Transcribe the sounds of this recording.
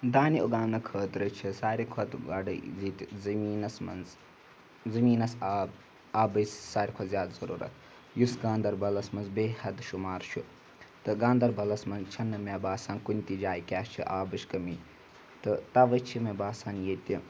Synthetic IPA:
d̪aːnioɡaːnɐkʰəːt̪ɾɨt͡ʃʰisaːɾʲikʰɐt̪ɡɐɖɨzit̪ʲzɐmiːnɐsmɐ̰nz | zɐmiːnɐsa | aːbəssaːɾikʰɐzʲjaːd̪zɐɾṵːɾɐ̰t̪ʰ | jusɡãːnd̪ɐɾbɐlɐsmɐnzbeːhɐd̪ʃumaːɾt͡ʃʰu | t̪ɨɡaːnd̪ɐɾbɐlɐsmɐnzt͡ʃʰɐnːɨmʲabaːsaːnkunʲt̪id͡ʒaːjikʲaːst͡ʃʰiʔaːbɨʃkɐmi | t̪ɨt̪ɐʋət͡ʃʰimɐbaːsaːnjeːt̪ʲi

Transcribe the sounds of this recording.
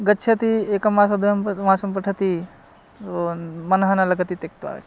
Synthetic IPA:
ɡɐtːt͡ʃʰɐt̪iekɐmasɐd̪ujɐmpmaːsɐmpɐʈʰɐt̪i | omɐnɦɐnalɐɡɐt̪it̪ek̚t̪ʋa̰ːɾɐ̰

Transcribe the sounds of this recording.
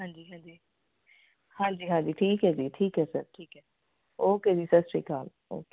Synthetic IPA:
ɦãːɲd͡ʒiːɦãːnd͡ʒiː | hãːɲd͡ʒiːɦãːɲd͡ʒiːʈʰiːkɦɛːd͡ʒiːʈʰiːkɦɛːsəɾʈʰiːkɦɛː | oːkeːd͡ʒiːsəɾsʈḭːkaːl | o̰ːkeː

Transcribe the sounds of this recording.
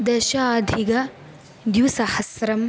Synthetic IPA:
d̪ɐʃɐd̪ʱiɡɐ | d̪juwsɐhɐsɾɐm

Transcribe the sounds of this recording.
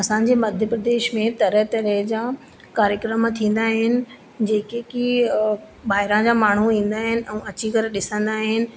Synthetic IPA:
ɐsãɲ̆d͡ʑeːmɐd̪ʱjəpɾɐd̪eːʃmẽt̪ɐɾəɦt̪ɐɾəɦd͡ʑaː | kaːɾjəkɾəmt̪ʰĩːn̆d̪aːɦɪnɪ̆ | d͡ʑeːkeki | ɓaːɦɪɾãd͡ʑaːmaːɳ̤uĩːn̆d̪aːɦɪnɪ̆ʔɛ̃ːɐt͡ɕikɐɾɗɪsə̃nd̪aːɦɪnɪ̆

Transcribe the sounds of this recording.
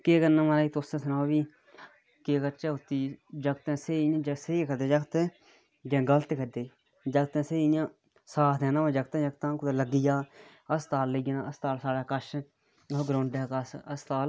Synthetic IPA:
keːkənãːmaːɾaːiːt̪osẽːsənaːobiː | keːkəɾt͡ʃaːɦʊt̪ːiːd͡ʒəɡt̪ɛ̃ːseːãːd͡ʒseikʰəd̪eːd͡ʒəkt̪e | d͡ʒẽːɡəlt̪eːkʰəd̪eː | d͡ʒəɡt̪ãːseːjãː | saːtʰd̪ɛ̃ːnaːmãːd͡ʒəɡt̪ãd͡ʒəɡt̪ãːkʊd̪eləɡijaː | əst̪aːlːəɡnaəst̪aːlsaːɽaːkəʃ | oɡɾõːɳɖɛːkəsəst̪aːl

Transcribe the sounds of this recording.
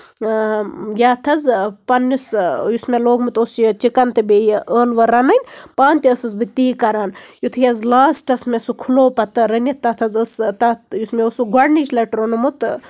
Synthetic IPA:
jaːt̪ʰɐzpɐnːisjusmeloːɡmɨt̪oːsjɐt͡ʃikɐnt̪ɨbejʔəːlʋɐɾɐnɐnʲpaːnʲt̪iɐsɨzbɨt̪iːkɐɾaːnjut̪ʰjɐzlaːsʈɐsmesukʰuloːpɐt̪ɨɾɐnʲit̪ːɐt̪ʰɐzɨst̪ɐjusmeosuɡɐɽnit͡ʃlɐʈɾonumut̪

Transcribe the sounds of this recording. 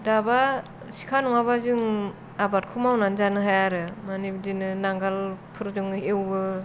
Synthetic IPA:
daba | si̥kʰanɔŋabazɯŋ | abat̚kʰumawnanzanɯɦajaɾɯmanibdinɯnaŋɡalpʰɯɾd͡ʒuŋewbɯ

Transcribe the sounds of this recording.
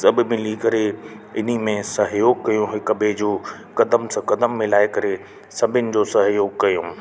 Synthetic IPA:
ɐbɪ̆mɪlikɐɾeɪn̤imẽsɐɦjoːɡ̚kɐjũɦɪkbed͡ʑoː | kɐd̪əmsɐ̃kɐd̪əmːɪ̃laːɪkɐɾe | sɐbʱɪnɪ̆d͡ʑoːsɐɦjoːɡ̚kɐjõː

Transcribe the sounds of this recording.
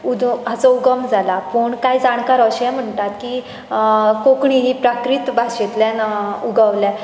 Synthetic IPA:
ud̪ɦat͡sɔuɡəmd͡zʱalapuːɳkajd͡zaɽ̃kaɾəɕɛ̃m̤əɳt̪at̪ki | kokɳinipɾakɾit̪bʱaɕet̪ljanuɡəʋlɛ

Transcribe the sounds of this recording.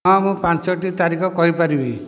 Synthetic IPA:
ɔ̃mũpãnsɔʈit̪aɾikʰɔkɔɦipaɾibi

